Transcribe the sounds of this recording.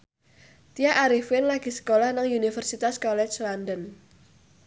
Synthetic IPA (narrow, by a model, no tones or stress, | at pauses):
t̪iaʔaɾifɪnlaɡ̥i̤sə̥kolahnaŋjunifərsit̪askɔlɛt͡ʃlandən